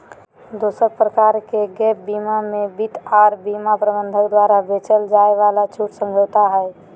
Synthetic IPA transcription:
d̪osəɾpɾəkaɾkeɡɛbimamebit̪aɾbimapɾəbənd̪ʱəkd̪waɾabet͡ʃəld͡ʒaeʋalat͡ʃʰuʈsə̃md͡ʒʱot̪aɦəɛ

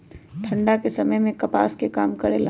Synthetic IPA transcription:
ʈʰɐ̃ɳɖakesɐməjmẽkɐpa̰ːskekaːmkɐɾela

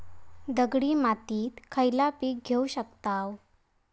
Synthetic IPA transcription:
d̪əɡɽiːmat̪iːt̪kʰəjlapiːk̚ɡʱeuɕəkt̪aw

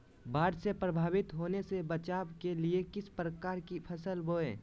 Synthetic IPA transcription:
baːɾsepɾəbʱaːʋɪt̪ɦoːnesebət͡ʃaːbkeliekɪspɾəkaːɾkipʰəsəlboːḛː

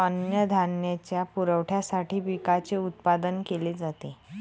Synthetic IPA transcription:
ənjəd̪ʱanjat͡ɕjapuɾəʋʈʰjasaʈiːʋikat͡seut̪̚pad̪ənkeled͡zat̪e

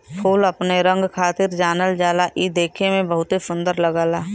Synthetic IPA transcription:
pʰuːləpneɾə̃ŋɡkʰaːt̪ɪɾd͡ʒaːnəld͡ʒaːlaʔid̪eːkʰemẽbəɦʊt̪esʊ̃nd̪əɾləɡaːlaː

